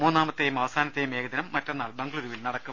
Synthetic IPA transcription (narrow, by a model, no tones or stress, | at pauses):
muːnːaːmɐtt̪ːejumɐʋɐsaːnɐt̪ːejume̞ːɡɐd̪inɐmːɐtːenːaːlbɐŋɡɐɭuðuʋilnɐɽɐkːu